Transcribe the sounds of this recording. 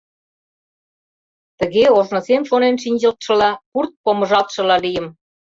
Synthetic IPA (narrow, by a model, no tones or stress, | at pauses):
t̪əɣeoʒnɤ̆semʃonenʃinʲd͡ʑə̆lt̪ʃə̆lɑkurt̪̚pomə̆ʒɑlt̪ʃə̆lɑlijə̆m